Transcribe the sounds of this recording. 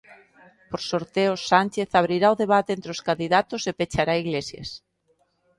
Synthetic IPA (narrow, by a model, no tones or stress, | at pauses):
poɾsoɾt̪eʊsːanʲt͡ʃeθaβ̞ɾiɾaoðeβat̪eent̪ɾeoskand̪iðat̪osepet͡ʃaɾaiɣlesja̰s